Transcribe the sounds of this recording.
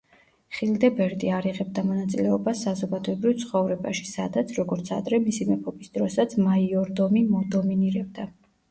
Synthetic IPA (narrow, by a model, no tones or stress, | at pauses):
χild̪ɛbɛɾd̪iaɾiʁɛbd̪amɔnat̪sʼilɛɔbasːazɔɡad̪ɔɛbɾivt̪sʰχɔvɾɛbaʃi̥sa̰d̪at̪sʰɾɔɡɔɾt̪sʰa̰d̪ɾɛmisimɛpʰɔbisd̪ɾɔsat̪sʰmaiɔɾd̪ɔmimɔd̪ɔminiɾɛb̚d̪a